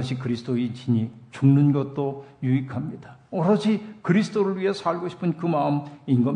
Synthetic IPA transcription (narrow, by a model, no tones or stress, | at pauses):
ɕʰikɯɾisʰtoit͡ɕiɲit͡ɕuŋnɯnɡʌt̚t͈ojuikʰamɲidaʌɾʌɕʰikɯɾisʰɯ̥t͈oɾɯɭɥiɦesʰaɭɡoɕʰi̥pʰɯnkɯmaɯminɡʌ